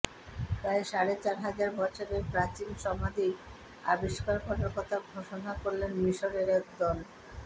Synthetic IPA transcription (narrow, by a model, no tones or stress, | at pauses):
pɾaeʃaɾet͡ɕaɾɦad͡ʑaɾbʱɔɾʃabepɾat͡ɕilʃɔmad̪ʱi | a̰biʃkaɾkʰɔʈaɾkɔt̪ʰaɡʱoʃonakoɾlenmiʃoɾeɾɛkd̪ɔn